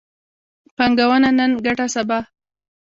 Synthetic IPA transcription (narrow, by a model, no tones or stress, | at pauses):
paŋɡawənanənɡaʈasaba